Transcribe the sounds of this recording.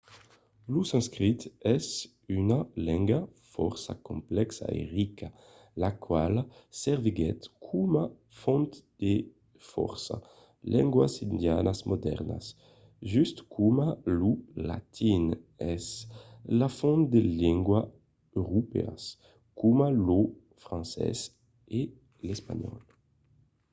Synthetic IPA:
lusɛ̃nskʁit̪ɛs | ynalɛ̃ŋɡafɔ̰ɾsa̰kõmplɛksa̰ḛʁikʰa | lakwalsɛʁviɡɛt̪kʰuma | fɔ̃nt̪d̪̥e | fɔ̰ɾsa̰ | lʔɛ̃ŋɡwasind̪janasmʔod̪ɛ̰ʁna̰s | ʒyst̪kʰumalula̰t̪ʰinɛslafɔ̃nt̪̚d̪elɛŋɡwa | øʁupea̰s | kumalo | fʁãnsɛ̰s | e | lespaɲɔ̰l

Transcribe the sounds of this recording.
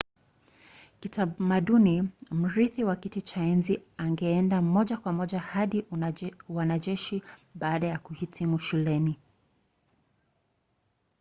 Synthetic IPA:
kitamaɗunim̩ɾiθiwakitit͡ʃaɛnziaŋɡɛɛndamɔʄakwamɔʄahaɗi | wanaʄɛʃiɓaːɗajakuhitʰimuʃulɛni

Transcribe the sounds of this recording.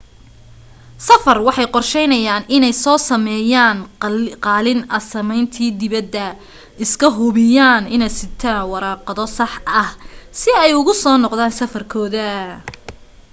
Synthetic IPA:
sɐfɐrwɑħɑjqɔrʃɛjnɐjaːnʔɪnɛjsɔːsɐmɛːjaːnqɑːlɪnɐsɐmɛjnt̪ʰiːd̪ɪβɐd̪ːɐ | ʔɪskʰɐɦʊβɪjaːnɪnɛjsɪt̪ʰaːnwɑɾɑːqɑðɔsɑħɐhsɪɛjʊɣʊsɔːnɔqðaːnsɐfɐrkʰɔːðɐ

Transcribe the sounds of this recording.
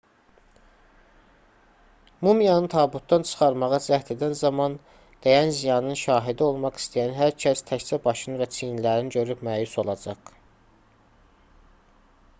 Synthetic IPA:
mumijɑnɯt̪ʰɑbut̪̚d̪ɑnt͡ʃʰɯ̥χɑɾmɑʁɑzæht̪ʰed̪ænzɑmɑn | d̪̥æjænzijɑnɯnʃɑːɦid̪io̞lˠmɑχi̥st̪ʰijænɦæɾcʰæst̪ʰæçt͡sæbɑʃɯnɯvæt͡ʃʰinlæɾinɟø̞ɾypmæːjuso̞lˠɑd͡ʒɑʁ

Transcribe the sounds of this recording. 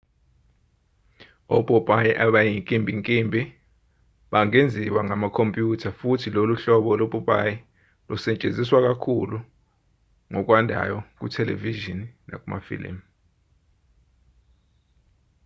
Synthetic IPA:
ɔpʼɔpʼajɛʔaɓajiŋkʼimbʱiŋkʼimbʱi | ɓaŋend͡zʱiwaŋamakʰompʼjutʰafutʰiloluɬɔɓɔlopʼupʼajɛ | lɔsɛt͡ʃʼend͡zʱiswak̬ʼakʰulu | ŋɔk̬ʼwandʱa̰jɔk̬utʰɛlḛviʒinna̰kʼuma̰fḭlḭm

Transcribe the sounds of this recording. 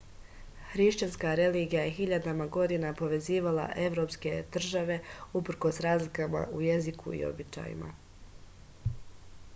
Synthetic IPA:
xɾiʃt͡ɕanskaɾe̞liɡijaje̞xiʎad̪amaɡo̞d̪inapo̞ʋe̞ziːʋala̰ʔe̞ʋɾo̞pske̞d̪̥r̩ʒaʋe̞upr̩ko̞sɾaːzlikama̰ʔuje̞zikʰṵḭo̞̰bit͡ɕa̰jḭma̰

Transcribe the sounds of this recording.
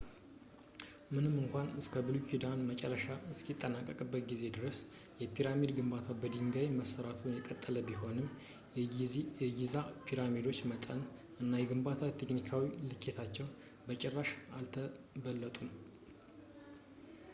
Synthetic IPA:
mɨnɨmːɨŋkʷanɨskʰəbɨlukʰid̪anmət͡ʃʼɛrːəʃaɨskʰit̪ʼːənakʼːəkʼɨbːət̪̚ɡize̞d̪ɨɾəs | jɛpʰiɾamid̪ɡɨmbat̪ʰabəd̪iŋɡajməsəɾat̪ʰunjɛkʼət̪ʼːələbiɦo̞nɨm | ɡizapʰiɾamid̪o̞t͡ʃːmət̪ʼən | ʔɨnːajɛɡɨmbat̪ʰat̪ʰe̞knikʰawilɨkʼːet̪ʰat͡ʃːɛw | bət͡ʃʼɛrːaʃalt̪ʰəbəlːət̪ʼum

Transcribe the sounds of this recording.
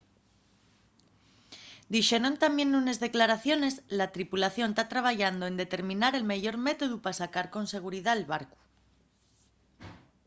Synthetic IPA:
d̪iʃe̞ɾo̞nt̪amje̞nːune̞zðe̞klaɾaθjo̞ne̞zlat̪ɾipulaθjo̞nt̪at̪ɾaβ̞aʝand̪oend̪e̞t̪e̞ɾmĩnaɾe̞lmeʝo̞ɾme̞t̪o̞ðupasakaɾko̞nse̞ɣ̞uɾiðaelβaɾku̥

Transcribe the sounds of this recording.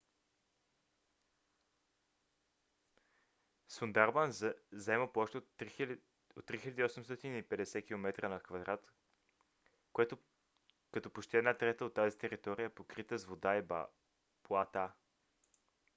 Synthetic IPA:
sund̪aɾbanzɐɛməplˠɔʃt̪ | ot̪ːɾixilʲad̪iːɔsɛmst̪ɔt̪iniːpɛd̪ɛsɛk̟ilˠomɛt̪ɾənɐkvɐd̪ɾat̪ | koɛt̪ʊ | kɐt̪ɔpoʃt̪iɛd̪nat̪ɾɛt̪əot̪ːazit̪ɛɾit̪ɔɾijəɛpokɾit̪əzvod̪aib̰ | plˠat̪a

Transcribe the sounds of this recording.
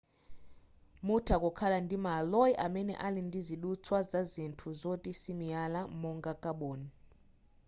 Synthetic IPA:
mutʰakʼɔkʰalandʱimalɔjʔamɛnɛ̰ʔalindʱiziɗut͡sʰwazazintʰuzotʼisimijalamɔŋɡakʼaɓoːni

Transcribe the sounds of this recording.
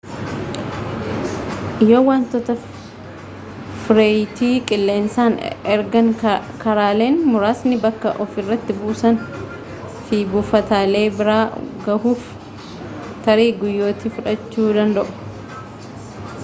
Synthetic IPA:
ɪjoːwaːnt̪ɔt̪ɐ | fɾeːjt̪iːkʼɪlːe̞ːnsaːnɛɾɡɐŋkʰɐɾaːle̞ːnmʊɾaːsnɪbɐkːɐʔɔfɪrːɐt̪ːɪbuːsɐn | fiːbʊfɐt̪aːle̞ːbɪɾaːɡɐhuːf | t̪ɐɾiːɡʊjːo̞ːt̪iːfʊᶑɐt͡ʃːuːd̪ɐnd̪ɐʔʊ̥

